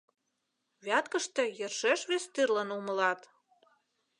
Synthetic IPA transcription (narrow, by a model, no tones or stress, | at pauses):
βʲɑt̪kə̆ʃt̪ĕjĕrʃeʃβest̪yrlənumə̆lɑt̪